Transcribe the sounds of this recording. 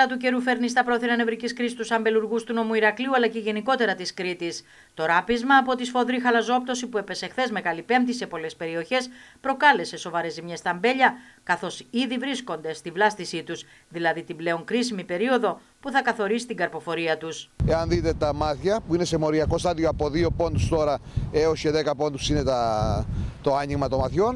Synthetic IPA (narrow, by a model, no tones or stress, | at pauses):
lɐt̪uce̞ɾufe̞ɾnist̪ɐpɾo̞θiɾɐne̞vɾiciskɾist̪usɐmbe̞luɾɣust̪uno̞muiɾɐkliuɐlɐceʝe̞niko̞t̪e̞ɾɐt̪iskɾit̪is | t̪o̞ɾɐpizmɐːpo̞t̪isfo̞ðɾixɐlɐzo̞p̚t̪o̞sipue̞pe̞se̞xθe̞zme̞ɣɐlipe̞mt̪ise̞po̞le̞spe̞ɾio̞çe̞spɾo̞kɐle̞se̞so̞vɐɾe̞zimɲe̞st̪ɐmbe̞ʎɐkɐθo̞siðivɾisko̞nd̪e̞st̪ivlɐst̪isit̪us | ðilɐðit̪ible̞o̞ŋkɾisimipe̞ɾio̞ðo̞ | puθɐkɐθo̞ɾisi̥t̪iŋɡɐɾpo̞fo̞ɾiɐt̪use̞ɐnðit̪e̞t̪ɐmɐθçɐpuine̞se̞mo̞ɾiɐko̞st̪ɐðioɐpo̞ðio̞po̞nd̪ust̪o̞ɾɐeoseðekɐpo̞nd̪usine̞t̪ɐ | t̪o̞ɐɲiɣmɐt̪omɐθço̞n